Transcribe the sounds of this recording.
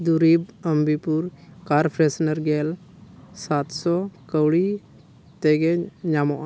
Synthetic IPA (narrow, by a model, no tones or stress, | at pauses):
d̪uɾibəmbʱipuɾkaɾpʰɾɛsnəɾɡɛl | sat̪sɔkəwɽi | t̪ɛɡɛɲamɔʔ